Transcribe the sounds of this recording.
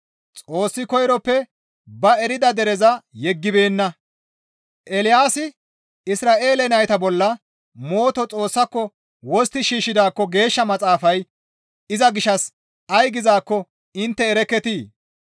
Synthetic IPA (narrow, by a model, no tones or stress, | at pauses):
t͡sʼo̞ːsːɪkɔjɾɔpːɛ | bɐɛɾɪd̪ɐd̪ɛɾɛzɐjɛɡːɪbe̞ːnːɐ | ʔɛlɪjaːsɪ | ɪsɾaːʔe̞ːlɛnɐjt̪ɐbɔlːɐ | mo̞ːt̪ɔt͡sʼo̞ːsːɐkːɔ | wɔst̪ɪʃiːʃːɪd̪aːkːɔɡe̞ːʃːɐmɐt͡sʼaːfɐj | ɪzɐɡɪʃɐs | ɐjɡɪzaːkːɔ | ɪnt̪ːɛːɾɛkːɛt̪iː